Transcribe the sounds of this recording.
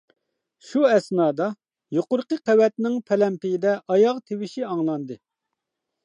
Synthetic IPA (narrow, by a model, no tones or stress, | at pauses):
ʃuɛsnɑːd̪ɑ | joqʊɾqəqʰæwɛt̪nɪŋpʰɛlɛmpɪjid̪ɛʔɑjɑʁt̪ʰewɪʃiɑŋlˠɑnd̪ɨ